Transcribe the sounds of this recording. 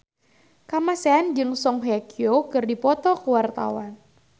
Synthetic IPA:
kamasɛand͡ʒɨŋsɔŋɦɛkiokɨrdipɔt̪ɔkuwart̪a̰wan

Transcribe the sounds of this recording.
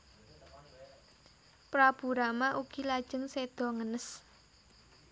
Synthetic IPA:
pɾab̥ṳɾamaʔuɡ̥i̤lad̥ʒ̥ə̤ŋsed̪̥ɔ̤ŋənəs

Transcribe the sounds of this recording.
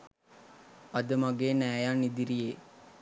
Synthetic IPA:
ɐd̪əmaɡeːnæːjaːnid̪iɾijeː

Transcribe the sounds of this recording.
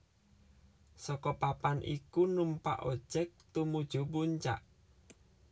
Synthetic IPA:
sɔkɔpapanʔḭkunumpa̰ʔo̥ʒ̥ɛk̚t̪umud̥ʒ̥ṳbuɲt͡ʃa̰ʔ

